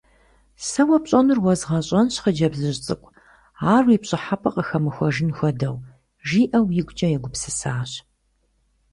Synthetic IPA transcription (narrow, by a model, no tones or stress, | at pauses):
sɐwɐpɕʼɐnɨrwɔzʁɐɕʼɐnɕχəd͡ʒɐbzɨɕt͡sʼɨkʷʼ | aːripɕʼɪħapʰɐqəxɐmɨxʷɔʒɪnxʷɔdɐw | ʒiːʔɐwjɪɡʷt͡ʃʼɐjɛɡʷʊpsɨsaːɕ